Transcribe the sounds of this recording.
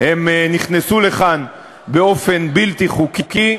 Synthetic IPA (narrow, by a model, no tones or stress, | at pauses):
hemniχnesule̞χan | beo̞fe̞nbilt̪iχukuki